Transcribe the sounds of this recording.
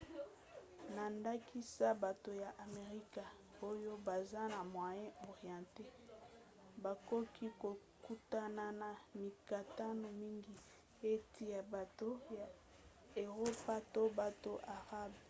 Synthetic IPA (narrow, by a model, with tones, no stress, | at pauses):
na˨nda˦ki˦sa˦ba˨to˨ja˨ʔa˨me˨ʁi˦ka˨ | o˦jo˦ba˨za˦na˨mwa˨jɛ̃˦o˨ʁi˨ã˨te˦ | ba˨ko˦kʰi˦ko˨ | ku˦ta˦na˨na˨mi˨ka˨ta˦no˨mi˦ŋɡi˨ | e˦tʰi˦ja˨ba˨to˦ja˨ | e˨ʁo˦pa˦to˦ba˨to˨ʔa˨ʁa˦b